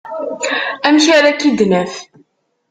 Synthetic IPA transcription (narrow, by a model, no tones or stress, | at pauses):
æmʃaɾækid̪næθ